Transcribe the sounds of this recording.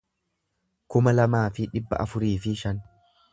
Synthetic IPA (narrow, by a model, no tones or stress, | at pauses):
kʊmɐlɐmaːfɪᶑɪbːɐ̰ʔɐfʊɾiːfɪʃɐn